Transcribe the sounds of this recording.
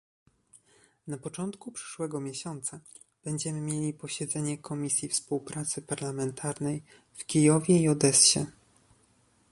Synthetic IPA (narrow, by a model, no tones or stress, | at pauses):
napɔt͡ʂɔnt̪kupʂɘ̥ʂwɛɡɔmʲjeɕɔnt̪sa | b̥ɛɲd͡ʑɛmɘmʲjelʲipɔɕɛd̪zɛɲɛkʰɔmʲisʲjifspuwpɾat̪sɘpaɾlamɛnt̪ʰaɾnɛj | fkʲijɔvʲjɛiɔd̪ɛsɕɛ̰